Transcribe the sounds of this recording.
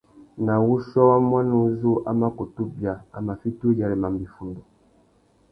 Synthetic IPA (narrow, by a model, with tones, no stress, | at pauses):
na˨wu˦ʃɔ˦a˦mwa˦nu˦zu˦ʔa˦ma˦ko˨tu˦bja˨a˨ma˨fi˦tu˦d͡ʒa˨ɾi˨ma˨m˨bi˨fu˨ndo˨